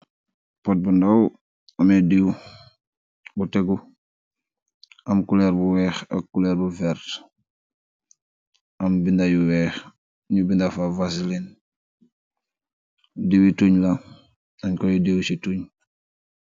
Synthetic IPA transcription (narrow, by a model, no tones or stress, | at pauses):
pɔt̚bundaw | ɐmɛdiw | butɛɡu | ɐmkulɛɾbuwɛːxɐ̰kkːulɛːɾbuvɛɾt | ɐmbindajuwɛːx | ɲubindafavasilin | diwituɲla | aɲkɔjudewsituɲ